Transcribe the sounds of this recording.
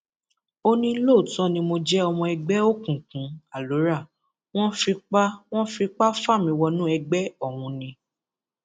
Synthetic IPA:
o˦nĩ˧˦lo˦˨tɔ̃˦nĩ˧mo˧d͡ʒɛ˦ɔ˧mɔ̃˧ɛ˧ɡ͡bɛ˦o˦˨kũ˨kũ˨˦a˦˨lo˨˦ɾa˦˨ | w̃ɔ̃˦fi˧k͡pa˦w̃ɔ̃˦fi˧k͡pa˦fa˦˨mĩ˧wɔ˧nũ˦ɛ˧ɡ͡bɛ˦ɔ˦˨w̃ũ˨˧nĩ˧

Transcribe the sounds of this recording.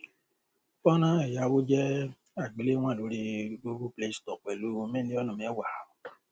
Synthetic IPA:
fɔ˦nã˦ɛ˨ja˨˦wo˦d͡ʒɛ˦ | a˦˨ɡ͡bi˨le˦ŋʷã˦˨lo˨˦ɾi˧ɡo˦ɡu˦ple˦stɔ˨k͡pɛ˨lu˦˧me˦li˦ɔ˦nɔ̃˨m˨˦e˦wa˨ha˨

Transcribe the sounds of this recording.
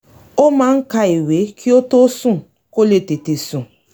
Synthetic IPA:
o˦ma˦ŋ̩˦ka˦e˨we˨˦kʰi˦o˦to˦su˦˨ | ko˦le˨te˨te˨su˨

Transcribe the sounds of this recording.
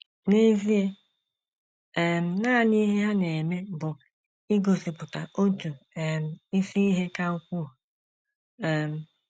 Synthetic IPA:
ne˦zi˦e˦˨ | m̩˨˦na˦˨ni˦ɦe˦ɦa˦ne˨me˦bʊ˨ | i˦ɡo˨sɪ˨pʊ˨ta˨ʔo˦tu˨ɛ˨m̩˦˨i˦si˦i˦ɦe˦ka˦u˦kʷu˦˨ | ɛ˨m̩˨

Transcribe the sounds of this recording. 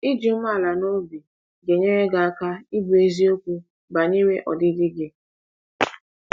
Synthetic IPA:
i˦d͡ʒi˨m̩˦ma˦˨la˨no˦bi˨ | ɡe˨ɲe˦ɾe˦ɡa˨a˦ka˦i˦bu˨e˦zi˦o˦kʷu˦ | ba˨ɲe˦we˦ʔɔ˨dɪ˦dɪ˦ɡɪ˦

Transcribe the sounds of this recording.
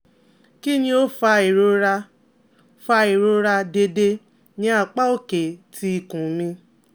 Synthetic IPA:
ki˦nĩ˧o˦fa˧e˨ɾo˧˦ɾa˧ | fa˧e˨ɾo˧ɾa˧de˧de˧ | nĩ˨˦a˦˨k͡pa˦o˦˨ke˨tʰi˨˦i˦˨kũ˨mĩ˧

